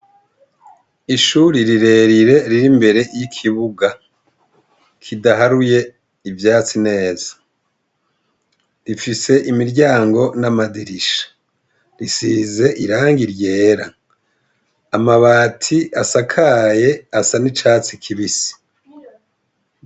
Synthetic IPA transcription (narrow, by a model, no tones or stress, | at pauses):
iʃuɾiɾiɾe̞ːɾiɾe̞ɾiɾimbe̞ɾe̞jikʰiβuɡa | kʰidaɦaɾuje̞ | ivjaːt͡sine̞ːzḁ | ɾifise̞ʔimiɾɟaːŋɡo̞namadiɾiʃḁ | ɾisiːze̞ʔiɾaːŋɡiɾje̞ːɾa | maβaːtʰiʔasakʰaje̞asanit͡ʃaːt͡sikʰiβisi̥